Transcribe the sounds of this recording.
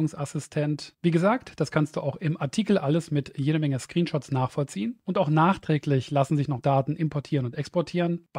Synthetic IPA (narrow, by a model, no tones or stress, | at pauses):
ʊŋsasɪstʰɛntv̥iːɡəzaːktd̥askʰanstd̥ṵːʔaʊxɪmʔaɐtʰiːkl̩ʔaləsmɪtjeːɾəmɛŋəskʁ̥iːnʃɔtsnaːχfɔlt͡siːənʔʊntaʊxnaːχtʁ̥ɛːklɪçlasn̩zɪçnɔχd̥aːtn̩ʔɪmpʰɔɐtʰiːʁənʊntɛkspɔɐtʰiːʁənb̥